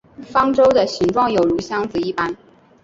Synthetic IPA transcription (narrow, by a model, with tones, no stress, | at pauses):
fɑ˥ŋʈ͡ʂo˥ʊd̪ə˨ɕi˧˥ŋʈ͡ʂwɑ˥˩ŋjo˨˩ʊɻu˧˥ɕjɑ˥ŋd͡zɹ̩˨˩i˥˩pa˥n